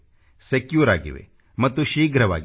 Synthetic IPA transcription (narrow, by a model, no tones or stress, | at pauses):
sekjuːɾa̰ːɡḭʋḛ | mɐt̪ːuʃiːɡɾɐʋa̰ːɡ